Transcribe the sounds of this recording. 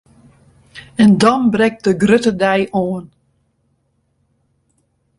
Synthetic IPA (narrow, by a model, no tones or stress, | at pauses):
ɛndɔnbrɛk̚t̚dəɡrøtədɛjoːən